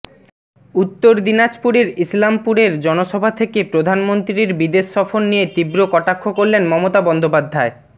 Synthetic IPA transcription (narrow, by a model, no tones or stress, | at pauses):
ut̪ːoɾd̪inad͡ʑpuɾeɾislampuɾeɾd͡ʑɔnoʃɔbʱat̪ʰekepɾod̪ʱanmont̪ɾiɾbid̪eʃːɔfonnijet̪ibɾokɔʈakʰːokoɾlenmɔmot̪abɔnd̪opad̪ʱːae